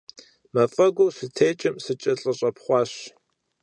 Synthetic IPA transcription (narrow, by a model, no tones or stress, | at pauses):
mɐfʼɐɡʷoːsɨtʰeːt͡ʃʼɪmsɨt͡ʃʼɐɬʼɐɕʼɐpχʷɑːɕ